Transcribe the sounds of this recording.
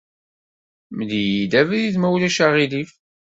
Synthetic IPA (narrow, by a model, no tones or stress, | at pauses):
məd̪ijid̪ævæðiθmæwlæʃaʁilif